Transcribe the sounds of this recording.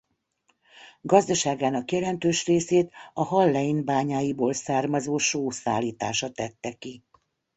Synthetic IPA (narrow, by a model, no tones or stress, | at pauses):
ɡɒzd̪ɒʃaːɡaːnɒkjɛlɛnt̪øːʃreːseːt̪ɒɦɒlːɛjinbaːɲaːjiboːlsaːrmɒzoːʃoːsa̰ːlːiːt̪a̰ːʃɒt̪ɛt̪ːɛki